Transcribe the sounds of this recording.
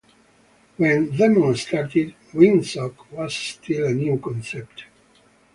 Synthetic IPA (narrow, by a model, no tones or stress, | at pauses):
wɛ̃nðɛmɔ̃nst̪aɾt̪id | wĩnsɔkwɔz̥st̪ʰilənjukɔ̃nsɛp̚t